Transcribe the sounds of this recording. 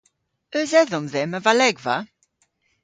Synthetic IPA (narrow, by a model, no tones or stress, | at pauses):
œzɛðɔ̃mðɛməvalɛɡva̰